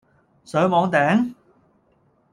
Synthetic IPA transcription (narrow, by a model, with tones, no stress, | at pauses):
sœː˨˥mɔː˨˥ŋt̪ɛː˨˥ŋ